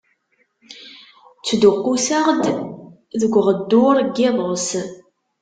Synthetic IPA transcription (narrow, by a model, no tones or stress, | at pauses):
t͡sːd̪ʊqːusaʁd̪ | ðəɡʷʁəd̪ːʊɾɡːɪðˤəs